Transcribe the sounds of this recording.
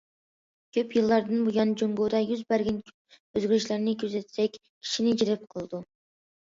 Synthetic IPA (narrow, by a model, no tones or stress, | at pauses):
kʲʰøpjɨlˠːɑɾd̪ɨnbujɑnd͡ʒoŋɡod̪ɑjyzbæɾɡʲɛn | øzɡʲilɪʃlæɾnɪkʲʰyzɛt̪sɛkʲ | kʲʰi̥ʃinɪd͡ʒiɾɪp̚qʰəlˠd̪u